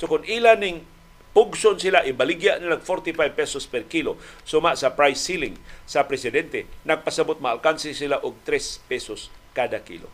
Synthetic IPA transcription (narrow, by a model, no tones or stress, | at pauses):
sokʊnilanɪŋ | pʊɡsonsɪlaʔɪbɐlɪɡjaʔnɪlaɡfoɾt̪ɪfajb̚pɛsospɛɾkilosʊmasɐpɾajsːilɪŋsɐpɾɛsɪd̪ɛnt̪ɛnɐɡ̚pɐsɐbot̪̚mɐalkansɪsɪlaʔʊɡ̚t̪ɾɛspɛsoskaːd̪akḭːlo̰